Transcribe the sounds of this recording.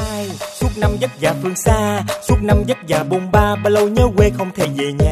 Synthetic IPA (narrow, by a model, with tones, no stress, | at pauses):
aː˧jsu˦˥t̚na˧mzə˦˥t̚zaː˨˩fɨ˧˩əŋsaː˧su˦˥ək̚na˧mzə˦˥t̚zaː˨˩ɓo˧˩ŋ͡mɓaː˧ɓa˧lə˧wɲəː˨˦ɣwe˧xə˧wŋ͡mt̪ʰe˧˩ze˨˩ɲaː˨˩